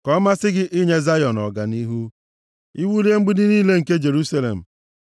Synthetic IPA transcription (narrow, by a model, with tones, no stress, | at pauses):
kɔ˦ma˦sɪ˦ɡɪ˦ʔɪ˦ɲe˦za˦jɔ˨nɔ̰˨ɡa˨ni˦ɦu˦ | i˦wu˦le˦ŋ͡m̩˦ɡ͡bi˦dɪ˦niː˦le˦ŋ̩˨ke˦d͡ʒe˨ɾu˦sa˦lḛ˨m̩˨